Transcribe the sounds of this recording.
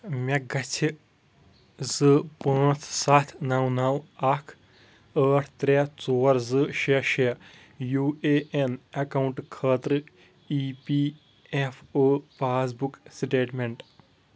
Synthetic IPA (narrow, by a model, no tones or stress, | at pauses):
mʲɛɡɐt͡ʃʰi | zɨpə̃ːt͡s̪ʰsɐt̪ʰnɐwnɐwɐkʰ | əːʈʰt̪ɾet͡soːɾzɨʃeʃe | juːeʔenɐkawuɳʈkʰəːt̪ɾɨ | iːpiː | efoːpaːs̬buksʈeːʈmeɳʈ